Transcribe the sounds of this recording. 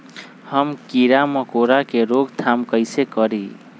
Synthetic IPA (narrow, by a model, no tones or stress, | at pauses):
həmkiɾaməkoɾakeɾoɡt̪ʰamkəjsekʌɾi